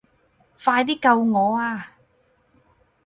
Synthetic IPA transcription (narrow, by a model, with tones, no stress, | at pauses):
faː˧jt̪iː˥kɐ˧wŋɔː˨˧aː˧